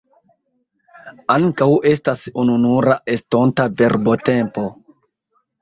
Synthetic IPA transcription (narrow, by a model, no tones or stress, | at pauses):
aŋkawe̞stasununuɾaʔestontave̞ɾbo̞tempo̞